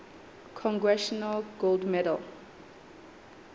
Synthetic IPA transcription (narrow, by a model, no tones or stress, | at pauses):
kʰɔ̃ŋɡɹɛʃɔnalɡolˠdmɛdə̰l